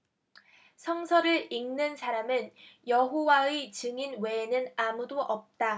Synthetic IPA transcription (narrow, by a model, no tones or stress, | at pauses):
sʰʌŋsʰʌɾɯɾiŋnɯnsʰaɾamɯnjʌɦowaet͡ɕɯŋinwe̞nɯnamudoʔʌp̚t͈a